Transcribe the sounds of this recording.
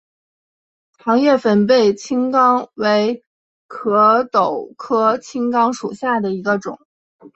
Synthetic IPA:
xɑ˧˥ŋjɛ˥˩fə˨˩np̬e˥˩ɪt͡ɕʰi˥ŋkɑ˥ŋwe˧˥ɪ | kʰɤ˧˥t̪o˨˩ʊkʰɤ˥t͡ɕʰi˥ŋkɑ˥ŋʂṵ˨˩ɕja˥˩d̪ə˩i˧˥ɡə˧ʈ͡ʂʊ̰˨˩˦ŋ

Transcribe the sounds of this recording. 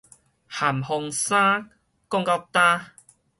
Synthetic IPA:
ha˨˩mhɔ˧ŋsã˦ | kɔ˥˧ŋka˧˩w̚t̪a˦

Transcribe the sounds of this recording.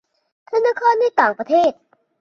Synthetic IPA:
t̪ʰa˥˩nːa˦˥kʰɔː˧˥˩ndaː˥˩jt̪aː˨˩ŋpɾa˧t̪ʰeː˥˩t̪̚

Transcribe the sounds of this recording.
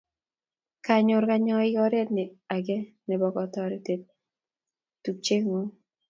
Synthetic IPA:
ka˨ɲʊ˨ɾka˨ɲɔ˦ɪ˦ɡɔ˦ɾe˦tnɪ˨a˨ɡɛ˦ | nɛ˨bɔ˨kɔ˨tɔ˦ɾi˨te˨t̚ | tu˨k̚t͡ʃe˦ŋu˦

